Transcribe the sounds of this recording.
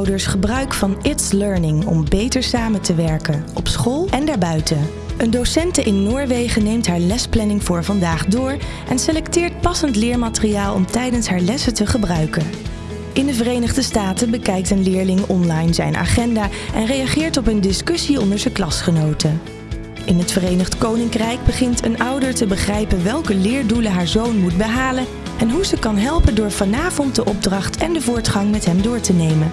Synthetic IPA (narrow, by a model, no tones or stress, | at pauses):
wdəɹsχəbrœɥkfɑnɪtsløɹnɪŋɔ̰mbejtəɹsaːməntəʋɛɹkənɔpsχɔlˠʔɛndaːɹbœɥtə | əndosɛntəʔɪnːʊːɹʋejχənejmtɦaːɹlɛsplɛnɪŋvʊːɹvɑndaːχdʊːɹ | ʔɛnselɛktɪːɹt̚pɑsəntlɪːɹmaːtərijaːlˠɔ̰mtɛjdənsɦaːɹlɛsətəχəbrœɥkən | ʔɪndəvərejnəχdəstaːtəbəkɛjk̚tənlɪːɹlɪŋɔnlɑjnzɛjnʔa̰ːχɛndaː | ʔɛnrejɑχɪːɹtɔpəndɪskɵsiɔndəɹzəklɑsχənowtʰə | ʔɪnɦətfərejnəχtkownɪŋkrɛjɡ̚bəχɪntʰənʔɑwdəɹtəbəχrɛjpənʋɛlˠkəlɪːɹduləɦaːɹzownmut̚bəɦaːlən | ɛnɦuzəkɑnɦɛlˠpəndʊːɹv̥ɑnaːvɔnt̚dəʔɔb̚drɑχtʰɛndəvʊːɹtχɑŋmɛtɦɛmdʊːɹtənejmən